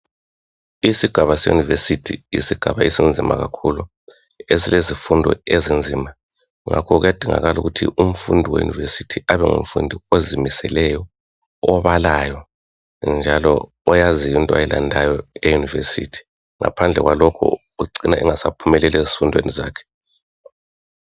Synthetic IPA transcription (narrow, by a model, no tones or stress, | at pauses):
isiɡ̥ʱaβasɛjṵnivesitʰḭḭsiɡ̥ʱaβaisind͡zʱima̰ɣakʰulu | esilezifundʱɔ̰ezind͡zʱiːma | ŋa̰kʰɔɣujad̥ʱiŋa̰ɣaluɣutʰḭʔum̩fundʱiwḛjṵnḭvesitʰiʔaβɛŋṵm̩fundʱiozimisɛlɛjɔ | ɔβalajɔ | nd͡ʒʱalɔ̰ː | jazijintʼɔa̰jɛlandʱajɔejunivesḭtʰi̥ | ŋʔa̰pʰand͡ɮʱɛɣwalɔkʰɔ̰ | uǀinaʔɛŋasapʰumɛlɛlɛzi̥fundʱweniza̰ːkʰɛ̥